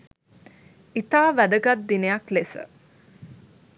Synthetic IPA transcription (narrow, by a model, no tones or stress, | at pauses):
it̪aːʋæd̪əɡat̪̚d̪inejaklesə̰